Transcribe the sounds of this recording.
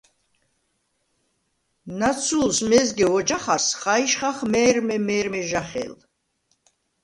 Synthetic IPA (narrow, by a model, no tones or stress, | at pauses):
nat͡sʰulsmɛzɡɛvɔd͡ʒaχasχaiʃχaχmɛːɾmɛmɛːɾmɛʒaχɛ̰l